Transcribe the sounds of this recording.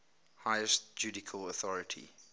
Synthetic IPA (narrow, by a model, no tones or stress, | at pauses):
haɪəstd͡ʒʉdɪkʰəlɔθɔɹətʰḭ